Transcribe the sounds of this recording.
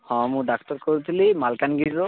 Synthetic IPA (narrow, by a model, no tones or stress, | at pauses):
hɔ̃mʊdak̚tɔɹkoɹit̪ʰilimalkanɡizɔ